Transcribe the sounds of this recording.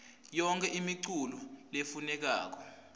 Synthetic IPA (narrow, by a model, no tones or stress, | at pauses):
jɔŋkʰɛʔimiǀululefunɛk̬a̰ːk̬ɔ